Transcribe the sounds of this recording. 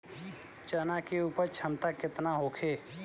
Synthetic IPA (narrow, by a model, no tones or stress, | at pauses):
t͡ʃənakeuːpəɾt͡ʃʰɐmt̪akɪt̪naɦoːkʰeː